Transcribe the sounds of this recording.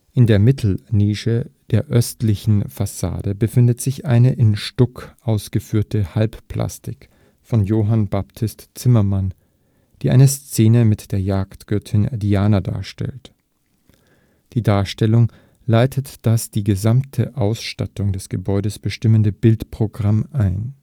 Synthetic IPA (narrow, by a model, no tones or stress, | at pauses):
ʔɪndeːɐmɪtʰl̩niːʃəd̥eːɐʔœstlɪçn̩fasa̰ːdəbəfɪndətz̥ɪçʔaɪnəʔɪnʃtʊkʔaʊsɡ̥əfyːɐtəhalppl̥ʔa̰stɪk | fɔnjoːɦanbaptʰɪstt͡sɪmɐman | d̥iːʔa̰ɪnəst͡seːnəmɪtd̥eːɐjaːktɡ̥œɐtʰɪndiaːnɐda̰ːɐʃtɛ̰lt | d̥iːdaːɐʃtɛlʊŋ | laɪtʰətd̥asd̥iːɡəzamtʰəʔaʊsʃta̰tʊŋdɛsɡ̥əbɔʏɾəsb̥əʃtɪməndəbɪltpʁ̥oɡʁamʔaɪn